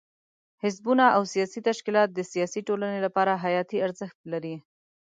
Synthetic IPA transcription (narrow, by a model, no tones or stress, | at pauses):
hɪsbunaʔawsijɑsit̪aʃkilɑt̪̚d̪əsijɑsiʈolanelapɑɾaɦajɑt̪iaɾzəxt̪laɾi